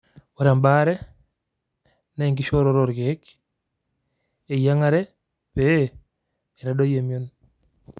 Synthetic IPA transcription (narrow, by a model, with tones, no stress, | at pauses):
wa˨ɾa˨mba˦ɾɛ˦ | na˦i˨ŋɡɪ˦ʃo˦ɾo˦ɾo˨ɾɡe˦k | e˨ja˦ŋa˦ɾɛ˦ | pe˦ | ɛ˨ɾa˨do˦je˨mjo˦n